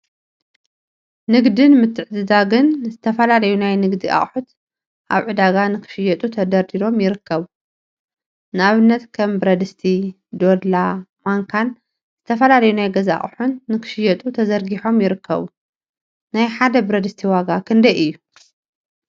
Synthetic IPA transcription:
nɨɡd̪ɨnmɨt̪ʰːɨʕd̪ɨzaɡɨnzɨt̪ʰɐfɐlalɐjunajnɨɡd̪iʔa̰χʼħut̪ | ʔa̰βʕɨd̪aɡanɨkʰɨ̥ʃɨjɐt̪ʼut̪ʰɐd̪ɐɾd̪iɾo̞mjɪɾɨkːɐβu | nɨaβɨnːɐt̪kʰɐmbɾɐd̪ɨst̪ʰi | d̪o̞d̪lamaŋkʰan | z̥ɨt̪ʰɐfɐlalɐjunajɡɐza̰χʼħunːɨkʰɨ̥ʃɪjɛt̪ʼut̪ʰɐzɐɾɡiħo̞mjɪɾɨkʰːɐ̰βu | najħad̪ɐbɨɾɐd̪ɨst̪ʰiwaɡakʰɨnd̪ɐjʔɨjːu

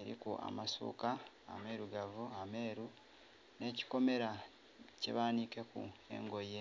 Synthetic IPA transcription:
eɾḭkuʔa̰masṵːka̰ː | me̞ɾuɡavuame̞ːɾu | ne̞ːci̥ko̞me̞ɾa | cḛβaːnike̞kṵe̞̰ŋɡo̞je

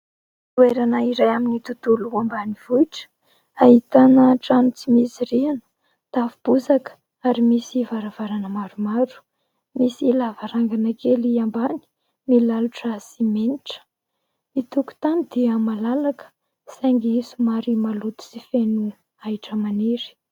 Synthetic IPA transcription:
ueɾanaiɾajaminit̪ut̪uluambaniv̥uiʈ͡ʂə̥ | aɦit̪anəʈ͡ʂanut͡simisiɾianə̥ | t̪avib̥uzakə̥ | aɾimisivaɾavaɾanəmaɾumaɾu̥ | misilavaɾaŋɡanakeliambani̥ | milaluʈ͡ʂəsimeniʈ͡ʂə̥ | it̪uku̥t̪anid̪̥iəmalalakə̥ | saŋɡiisumaɾimalut̪u̥sifenu | aiʈ͡ʂəmaniɾi̥

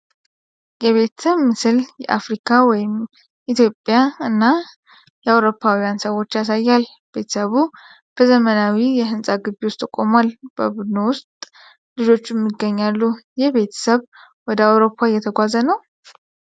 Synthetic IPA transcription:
jɛβe̞t̪ʰɨmːɨsɨljɛʔafɾikʰawɔjɪm | ʔit̪jo̞pʼːjaɨnːa | jɛawɾo̞pʰːawijansəwo̞t͡ʃːjas̬ajːal | b̥e̞t̪ʰə̥səβu | b̥əzəmənawijɛɦɨnsʼaɡɨbiwʊst̪ʼɨkʼːo̞malb̥ə̰bud̪no̞wʊst̪ʼ | lɨd͡ʒo̞t͡ʃːɛmːɨɡːəɲːalːujɛβe̞t̪ʰə̥səβ | wɔd̪əawɾo̞pʰːajɛt̪ʰəɡʷazənəw

